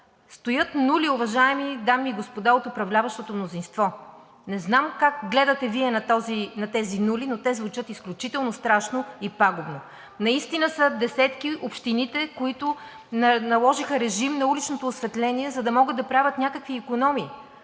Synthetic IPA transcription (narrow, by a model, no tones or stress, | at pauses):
st̪ojɤt̪nuliʊvɐʒaɛmid̪amiɡospod̪aot̪ʊpɾɐvlʲavɐʃt̪ot̪omnozinst̪vɔ | nɛznamkakɡlɛd̪ɐt̪ɛviɛnɐt̪ɔzinɐt̪ɛzinulinot̪ɛzvut͡ʃɤt̪isklʲut͡ʃit̪ɛlˠnost̪ɾaʃnoipaɡʊbno | nɐist̪inəsəd̪ɛsɛt̪k̟iʔopʃt̪init̪ɛkoit̪ʊ | nɐlˠɔʒixəɾɛʒimnɐulit͡ʃnot̪oːsvɛt̪lɛniɛzɐd̪ɐmɔɡəd̪ɐpɾavʲət̪nʲakəkviːkonɔmiː